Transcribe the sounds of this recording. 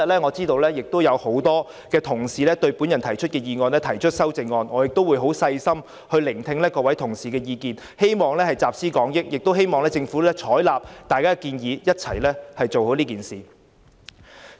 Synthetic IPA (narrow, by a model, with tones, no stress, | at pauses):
ɐ˨t̚lɛː˥ŋɔː˨˧t͡siː˥t̪o˧wlɛː˥jɪ˨k̚t̪o˥wjɐ˨˧who˨˥wt̪ɔː˥ | kɛː˧t̪ʰʊ˨˩ŋsiː˨lɛː˥t̪ɵ˧ɥpu˨˥njɐ˨˩nt̪ʰɐ˨˩jt͡ʃʰɵ˥t̚kɛː˧jiː˨˧ŋɔː˧nlɛː˥t̪ʰɐ˨˩jt͡ʃʰɵ˥t̚sɐ˥wt͡sɪ˧ŋːɔː˧nŋɔː˨˧jɪ˨k̚t̪o˥wu˨˧jɦo˨˥wsɐ˧jsɐ˥m | hɵ˧ɥlɪ˨˩ŋt̪ʰɪ˧ŋlɛː˥kɔː˧wɐ˨˥jt̪ʰʊ˨˩ŋsiː˨˩kɛː˧jiː˧kiː˨n | he˥jmɔː˨˩ŋlɛː˥hɐ˨jt͡saː˨p̚siː˥kɔː˨˥ŋjɪ˥k̚jɪ˨k̚t̪wɦe˥jmɔː˨ŋlɛː˥t͡sɪ˧ŋfuː˨˥lɛ˥t͡ʃʰɔː˨˥jlaː˨p̚t̪aː˨jkaː˥˧kiː˧njiː˨˧jɐ˥t̚t͡sʰɐ˨˩jlɛː˥hɐ˨jt͡so˨who˨˥wliː˥kiː˨˩nsiː˨